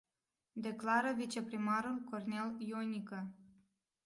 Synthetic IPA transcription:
d̪e̞klaɾəvit͡ʃe̞pɾimaɾulko̞rne̞ljonikə

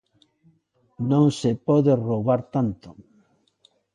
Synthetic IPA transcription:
nõŋsepɔðeroβaɾt̪ant̪o̥

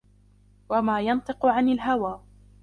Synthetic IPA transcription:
wamaːjɑnt̪ˤɨqʊʕanalɦawaː

